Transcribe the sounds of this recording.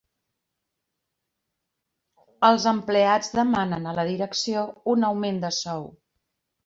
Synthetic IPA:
əlˠzəmplead͡zðəmanənələðiɾəksiounəwmend̪əsɔw

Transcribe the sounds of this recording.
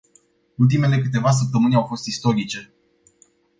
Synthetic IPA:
ult̪̬ime̞le̞kɨt̪e̞vas̬əp̚t̪əmɨnʲawfo̞st̪ist̪o̞ɾit͡ʃe̞

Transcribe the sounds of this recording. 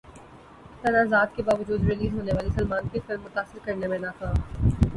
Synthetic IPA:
t̪ɐnaːzaːd̪̚kebaːʋəd͡ʒuːd̪ɾɪliːzɦoːneʋaːlisɐlmaːnkɪfɪlmːʊt̪aːsɪɾkɐɾnemẽnakãːm

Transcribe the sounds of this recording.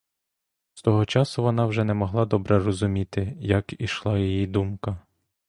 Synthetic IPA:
st̪ɔɦɔt͡ʃɑsʊʋɔnɑwʒɛnɛmɔɦlˠɑd̪ɔbɾɛrɔzʊmʲit̪ɪjɐkiʃlˠɑjijid̪umkɐ

